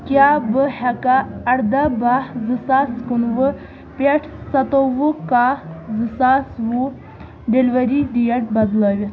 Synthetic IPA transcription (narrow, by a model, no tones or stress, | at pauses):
kjaːbɨhɐkaɐɽd̪abahzɨsaːskunʋɨ | pʲeʈʰsɐt̪oʋukazɨsaːsʋu | ɖelʲʋɐɾiɖ̪ijɐʈ̚bɐd̪lɐːʋʲi